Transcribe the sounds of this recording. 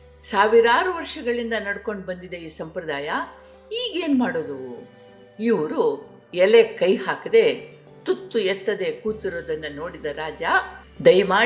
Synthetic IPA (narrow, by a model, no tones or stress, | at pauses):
saːʋiɾaːɾuʋɐɾʂɐɡɐɭind̪ɐnɐɽko̞ɳɖbɐnd̪id̪ɐiːsɐmpɾɐd̪aːjɐ | iːɡe̞ːnumaːɽoːd̪u | iʋɐɾu | ɛlekɐjhaːkɐd̪e̞ | t̪ut̪ːuɛt̪ːɐd̪e̞kuːt̪iɾoːd̪ɐnːɐno̞ːɽid̪ɐɾaːd͡ʒɐ | d̪ɐjmaː